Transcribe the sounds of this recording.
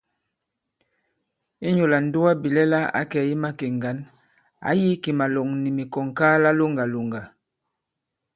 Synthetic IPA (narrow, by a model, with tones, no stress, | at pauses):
i˦ɲo˨la˨n˦du˦wa˦bi˨lɛ˦la˦a̰˨˦kɛ˨˦ji˦ma˦ke˨ŋɡa˨˦n | a̰˨˦ji˦ki˨ma˨lɔ˨ŋni˨mi˨kɔ˨ŋkaː˦la˦lo˦ŋɡa˨lo˨ŋɡa˨